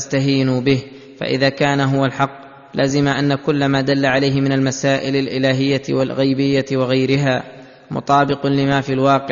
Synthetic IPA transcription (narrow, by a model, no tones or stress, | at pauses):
st̪aɦiːnʊbɪh | fa̰ʔɪ̰ðaːkaːnaɦʊwalħɑqː | lʔaːzɪmaʔanːakʊlːamaːd̪alːaʕalajɦɪmɪnalmasaːʔɪlalʔɪlaːɦɪjːawa̰lɣajbɪjːawɪɣajɾɪɦaː | mʊ̰t̪ˤɑːbɪqʊlɪmaːfiːlwɑːqɪ